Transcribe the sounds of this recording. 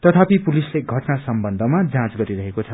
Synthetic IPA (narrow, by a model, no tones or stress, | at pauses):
t̪ʌt̪ʰapipulisleɡʱʌʈnasʌmbʌnd̪ʱʌmad͡zãt͡sɡʌɾiɾʌɦekot͡sʰʌ